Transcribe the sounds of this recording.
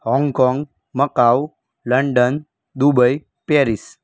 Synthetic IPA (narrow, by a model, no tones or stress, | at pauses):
hɔ̃ŋɡkɔŋɡ | məkaw | ləɳɖən | d̪ubəj | peɾis